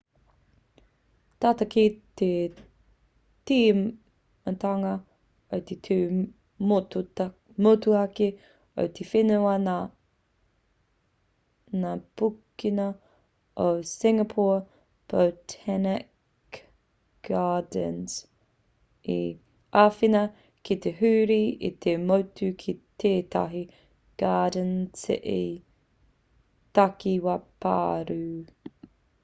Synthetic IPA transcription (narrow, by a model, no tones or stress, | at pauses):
t̪at̪ɐkit̪e | t̪im | t̪aŋɐ | ot̪et̪ʰuː | motu | motuɐki | o̰wt̪ʰefɪnuɐna | napukinɐ | osɪŋɐpʰɔ | b̥owtʰɛnɪk | ɡ̥aːdəns | i | aːfinɐ | kit̪eɦʉːɾiḭt̪ʰemowtʰukʰit̪ʰeːtɐ̰ɦi | ɡ̥aːdənt͡sɪ̰ʔi | t̪ɐkiwɐpa̰ːɾʉ